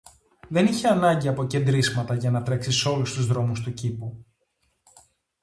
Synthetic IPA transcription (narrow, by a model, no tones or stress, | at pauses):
ðe̞niçeɐnɐɲɟiɐpo̞ce̞nd̪ɾizmɐt̪ɐʝɐnɐt̪ɾe̞ksiso̞lust̪uzðɾo̞must̪ucipu